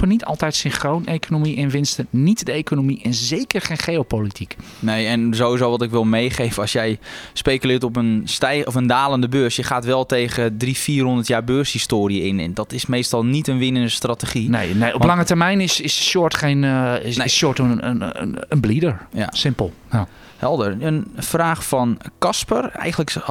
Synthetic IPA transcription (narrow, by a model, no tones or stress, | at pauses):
pənitʰɔ̰lˠtɛjtsɪnχrownejkʰonomiʔɪnʋɪnstənitdəejkonomiʔɛnzejkərχejnχejopolitʰik | nejɛnzowizowʋɔtɪkʋɪlˠmejχejfəɑsjɛjspejkylɪːtɔp̬ənstɛjɔfəndaːləndəbøːrsjəχaːtʋɛlˠtejɣədrifiːrhɦɔndərtjaːɹbørshistoːɾiəɪnɛ̰ndɔtɪsmejstɔlˠnitənʋɪnəndəstratəχinejneɔplɑŋətərmɛjnɪsɪsʃjʊətχejnssjʊtə | ənblidəɹja̰sɪmpəlˠ | hɛlˠdərənfraːxfɔnkɑspərɛ̰jɣəndlək